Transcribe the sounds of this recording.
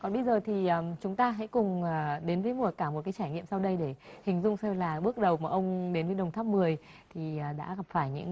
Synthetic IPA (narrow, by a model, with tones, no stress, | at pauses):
kɔ˨˩nɓə˧jzəː˨˩t̪ʰi˨˩əː˨˩t͡ɕʊ˨˦ŋ͡mt̪aː˧ɦɛ̰˧˥kʊ˨˩ŋ͡mːɗe˨˦nvəː˨˦jmu˨˩əkaː˧˩mo˨˩kaː˨˦jt͡ɕaː˧˩jŋḭ˧˨əmsa˧wɗə˧jɗe˧˩hï˨˩ŋ̟zʊ˧ŋ͡msɛ˧wlaː˨˩ɓɨ˦˥ək̚ɗə˨˩wmaː˨˩ʔə˧wŋ͡mɗe˨˦nvəː˨˦jɗə˨˩wŋ͡mt̪ʰaː˦˥p̚mɨ˨˩əj | t̪ʰi˨˩˨ɗa̰ː˧˥ɣa˨˩p̚faː˧˩jɲɨ̰˧˥ŋ